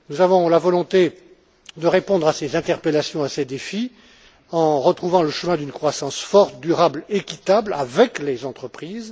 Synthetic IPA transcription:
nuzavɔ̃lavɔlɔ̃t̪e | d̪əʁepɔ̃d̪ʁasezɛ̃t̪ɛʁpelasjɔ̃ased̪efi | ɑ̃ʁət̪χuvɑ̃ləʃəmɛ̃d̪ynkχwasɑ̃sfɔʁt̪̚d̪yʁablekʲit̪abla̰vɛklezɑ̃t̪χəpχiːz

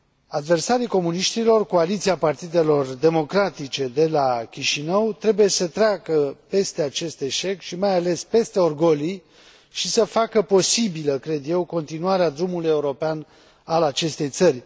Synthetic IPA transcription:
ad̪ve̞rsaɾiko̞muniʃt̪ilo̞rko̞alit̪siapart̪id̪e̞lo̞rd̪e̞mo̞kɾat̪it͡ʃe̞d̪e̞lakʲiʃinəwt̪ɾe̞buje̞sət̪ɾeakəpe̞st̪e̞at͡ʃe̞st̪e̞ʃe̞kʃimajale̞spe̞st̪e̞o̞rɡo̞li | ʃisəfakəpo̞sibiləkɾe̞d̪je̞wko̞nt̪inuaɾead̪ɾumuluje̞uɾo̞pean | alat͡ʃe̞st̪e̞jt̪sərʲ

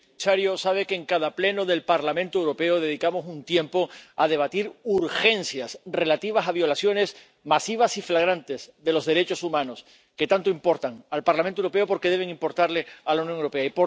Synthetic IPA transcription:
saɾjosaβ̞e̞keːŋkaðaple̞no̞ðe̞lpaɾlamẽnt̪owɾo̞pe̞oðe̞ðikamo̞sunt̪je̞mpo̞aðe̞β̞at̪iɾuɾxe̞nθjasre̞lat̪iβ̞asaβjo̞lasjo̞ne̞s | masiβ̞asiflaɣ̞ɾant̪e̞zðe̞lo̞zðe̞ɾe̞t͡ʃo̞sumãno̞s | ke̞t̪ant̪oimpo̞ɾt̪aŋalpaɾlamẽnt̪wɾo̞peopo̞ɾke̞ðe̞β̞e̞ŋimpo̞ɾt̪aɾle̞alaunjõŋewɾope̞aipo

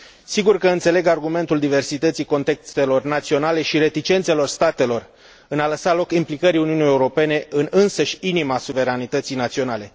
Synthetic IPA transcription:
siɡurkəɨnt̪se̞le̞ɡarɡume̞nt̪uld̪ive̞rsit̪ət̪siko̞nt̪e̞kst̪e̞lo̞rnat̪sio̞nale̞ʃiɾe̞t̪it͡ʃe̞nt̪selo̞rst̪at̪e̞lo̞r | ɨnaləsalo̞kimplikəɾiuniunije̞uɾo̞pe̞ne̞ʔɨnɨnsəʃʲinimasuve̞ɾanit̪ət̪sijnat̪sio̞nale̞

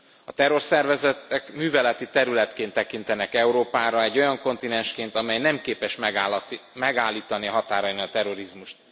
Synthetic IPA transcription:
ɒt̪ɛɾo̞rsɛrvɛzɛt̪ɛkmyːvɛlɛt̪it̪ɛɾylɛt̪keːnt̪ːɛkint̪ɛnɛkɛuɾoːpaːɾɒɛɟːo̞jɒŋko̞nt̪inɛnʃkeːnt̪ɒmɛjnɛmkeːpɛʃmɛmɛɡaːlːiːt̪ɒniɦɒt̪aːɾɒniɒt̪ɛɾo̞ɾizmuʃt̪̚

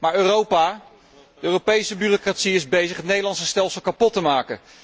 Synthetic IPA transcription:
maːɹøːrowpaː | dəøːropejsəbyrokratsiɪzbejzəχɦətnejdəlɑnsəstɛlˠsəlˠkapɔtəmaːkə

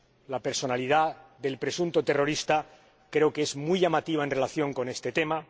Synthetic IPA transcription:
lape̞ɾso̞naliðaðe̞lpɾe̞sunt̪o̞t̪e̞ro̞ɾist̪a | kɾe̞okee̞zmujʝamat̪iβ̞aenre̞laθjo̞ŋko̞ne̞st̪e̞t̪e̞ma

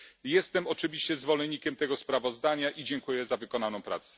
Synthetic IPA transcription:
jɛst̪ɛmɔt͡ʂɘvʲiɕt͡ɕɛzvɔlɛnːikʲɛmt̪ɛɡɔspɾavɔzd̪aɲaʔid͡ʑɛŋkujɛzavɘkɔnanɔ̃w̃pɾa̰t̪sɛ̥

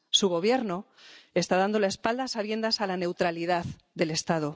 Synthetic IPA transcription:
suɣ̞o̞β̞je̞ɾno | e̞st̪aðand̪o̞laespald̪asaβje̞nd̪asalane̞wt̪ɾaliðað | d̪e̞le̞st̪að̞o

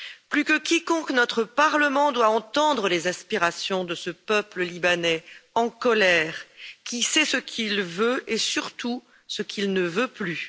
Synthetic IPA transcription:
plykəkʲikɔ̃knɔt̪χəpaʁləmɑ̃d̪waɑ̃t̪ɑ̃d̪ʁəlezaspiʁasjɔ̃d̪əsəpœpləlibanɛɑ̃kɔlɛːʁkʲisɛsəkʲʰilvøesyʁt̪u | səkʰilnəvøply

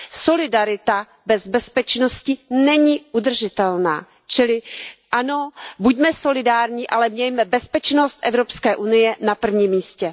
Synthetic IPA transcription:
so̞lɪdaɾɪt̪a | bɛzbɛspɛt͡ʃnoscɪnɛɲiʔud̪r̩ʒɪt̪ɛlna̰ː | t͡ʃɪlɪʔano̞buɟmɛso̞lɪdaːɾɲiʔalɛmɲɛjmɛbɛspɛt͡ʃno̞st̪ʔɛvɾopskɛːʔunɪjɛnapr̩vɲiːmːiːscɛ

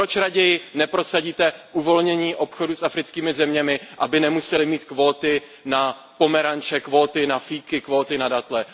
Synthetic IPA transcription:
ɾot͡ʃɾaɟɛjɪnɛpɾo̞saɟiːt̪ɛʔuvo̞lɲɛɲiːʔo̞pxo̞dusʔafɾɪt͡skiːmɪzɛmɲɛmɪʔabɪnɛmusɛlɪmiːt̪kvo̞ːt̪ɪ | na | po̞mɛɾant͡ʃɛkvo̞ːt̪ɪnafiːkɪkvo̞ːt̪ɪnadat̪lɛ

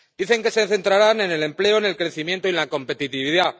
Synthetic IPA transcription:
d̪iθe̞ŋke̞se̞θe̞nt̪ɾaɾane̞ne̞le̞mple̞o̞ene̞lkɾe̞θimje̞nt̪oilako̞mpe̞t̪it̪iβiða

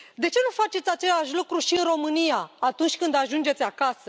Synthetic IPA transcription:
d̪et͡ʃe̞nufat͡ʃe̞t̪ʲat͡ʃe̞laʃ̬lukɾuʃiɨnɾo̞mɨnijaːt̪unt͡ʃʲkɨnd̪aʒund͡ʒe̞t̪t͡s̪ʲakasə

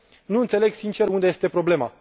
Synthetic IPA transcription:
nuɨnt̪se̞le̞ɡsint͡ʃe̞ɾund̪e̞jest̪e̞pɾo̞ble̞ma

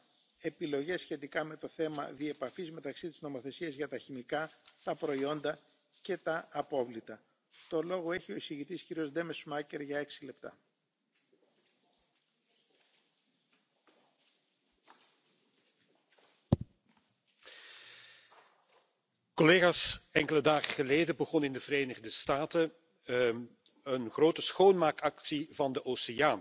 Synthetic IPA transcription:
e̞pilo̞ʝe̞sçe̞t̪ikɐme̞t̪o̞θe̞mɐ̰ðie̞pɐfizme̞t̪ɐksit̪izno̞mo̞θe̞siɐzʝɐt̪ɐçimikɐt̪ɐpɾo̞io̞nd̪ɐ | ce̞t̪ɐːpo̞vlit̪ɐ | t̪o̞lo̞ɣo̞e̞çio̞isiʝit̪isciɾio̞zd̪e̞mesmɐce̞ɾʝɐe̞ksile̞p̚t̪ɐ̰ | koleːɣasɛŋkələdaːɣəɣəleːdəbəɣɔnɪndəvəɾeːnəɣdəstaːtə | ənɣroːtəsxownmaːkɑksivɑndəʔoseaːn

